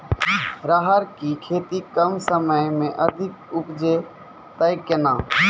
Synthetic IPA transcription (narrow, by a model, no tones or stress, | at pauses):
ɾaːɦəɾkiːkʰeːt̪ikəmsəməjmẽʔəd̪ʱɪk̚ʊpd͡ʒe | t̪əɪkenãː